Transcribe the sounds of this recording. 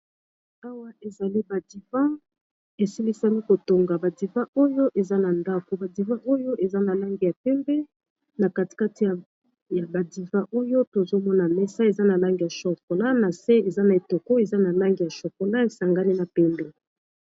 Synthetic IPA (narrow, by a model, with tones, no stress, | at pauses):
a˦wa˦ʔe˨za˨li˦ba˨di˨vɑ̃˦ | e˨si˦li˦sa˦ni˦ko˨to˨ŋɡa˨ba˨di˨vã˦o˦jo˦ʔe˨za˦na˨nda˦ko˨ba˨di˨vã˦ʔo˦jo˦ʔe˨za˦na˨la˦ŋɡi˨ja˨pɛ˦mbɛ˦ | na˨ka˦ti̥˨ka˦ti˨ja˨ | ja˨ba˨di˨vã˦ʔo˦jo˦to˨zo˦mɔ˦na˨mɛ˦sa˦e˨za˦na˨la˦ŋɡi˨ja˨ʃo˨ko˨la˦na˨se˦e˨za˦na˨e˨to˨ko˦e˨za˦na˨la˦ŋɡi˨ja˨ʃo˨ko˨la˦e˨sa˨ŋɡa˦ni˦na˨pɛ˦mbɛ˦